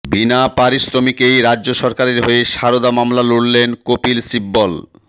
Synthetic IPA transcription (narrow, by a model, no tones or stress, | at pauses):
binapaɾisɾomikejɾad͡ʑːd͡ʑoʃɔɾkaɾeɾɦoeʃaɾod̪amamlaluɽlenkopilsibːɔl